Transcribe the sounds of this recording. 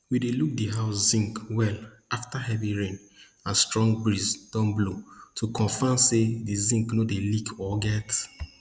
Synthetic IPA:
wideluk̚diɦaʊszĩŋkwɛl | aftaɦɛviɹẽn | ãstɹɔ̃ŋɡ̚bɹizd̥ɔ̃nblotʰukʰɔ̃nfamsedizĩŋknodelikʰɔɡɛt

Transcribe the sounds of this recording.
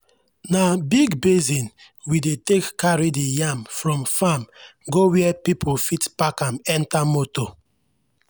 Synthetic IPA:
nabiɡbezĩn | widetekːaɹidejamfɹɔ̃mfamɡowiɛpipʰofitpakãmɛ̃ntamoto

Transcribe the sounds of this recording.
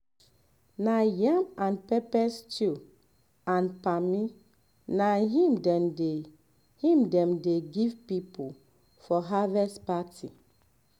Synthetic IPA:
najamãnpɛpɛst͡ʃu | ãnpami | naɦĩmdɛmde | hĩmdɛ̃mdeɡivpipul | fɔɦavɛspatʰḭ

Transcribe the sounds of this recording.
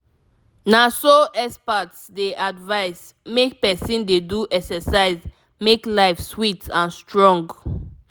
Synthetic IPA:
nasoʔɛspatsdeʔadvaɪs | mek̚pɛsĩndeduʔɛksɛsaɪz | meklaɪfswitʰãnstɹɔ̃ŋɡ

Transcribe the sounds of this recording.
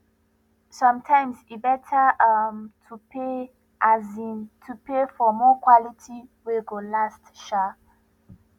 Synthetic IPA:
sɔ̃mtʰãɪ̃msibɛtʰəamtʰupʰe | ʔazĩntʰupefɔmɔkʰwɔlitʰiweɡolastʃa

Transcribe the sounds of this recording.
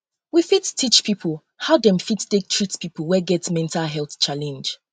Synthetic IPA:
wifittʰit͡ʃpʰipʰəl | haʊdɛ̃mfittek̚tʰɹ̥itspʰipəl̩ˠwɛɡɛtmɛ̃ntʰalɦɛlˠθt͡ʃalɛ̃nd͡ʒ

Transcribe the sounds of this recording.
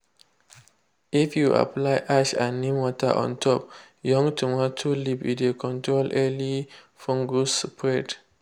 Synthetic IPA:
ifjuʔa̰plaɪʔaʃãnːimwɔta̰ʔɔ̰̃ntʰɔp̚ | jɔ̃ŋtʰumɔtʰulipḭtekʰɔ̃ntɹolʔɛli | fɔ̃ŋɡuspʰɹɛd

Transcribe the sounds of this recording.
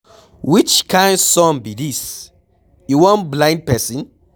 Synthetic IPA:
wit͡ʃkʰãɪ̃ndsɔ̃nbidis | juwɔ̃nblãɪ̃nd̚pɛsĩn

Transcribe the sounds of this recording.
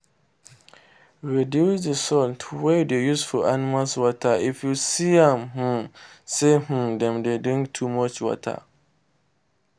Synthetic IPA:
ɹidjusdəsɔltʰwɛdejusfɔʔanimalswɔtʰaifjusiãmh̩seh̩dɛ̃mdedĩŋktʰumɔt͡ʃwɔ̰tʰa̰

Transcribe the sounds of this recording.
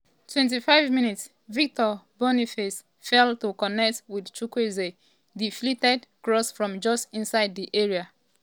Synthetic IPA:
tʰwɛ̃nt̬ifaɪvmĩnits | vik̚tɔbɔnifes | fɛlˠtukɔnɛk̚twidt͡ʃukweze | ðiflitɛdkɹɔsfɹɔ̃md͡ʒɔsĩnsaɪd̚ðiʔeɹia

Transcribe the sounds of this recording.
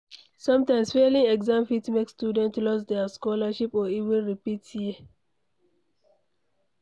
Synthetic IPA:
sʌ̃mtãɪ̃msfelĩŋɛɡzãmfitmekstjudɛ̃ntlɔsdɛskɔlaʃipɔivɛ̃nɹipithi

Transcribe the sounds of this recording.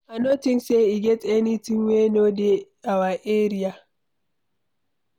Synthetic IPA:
ʔanotɪnseiɡʲɛtʼɛnitinweːnodeʔawaʔeːɾija

